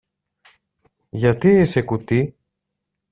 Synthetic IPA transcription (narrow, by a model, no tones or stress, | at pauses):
ʝɐt̪iisekut̪i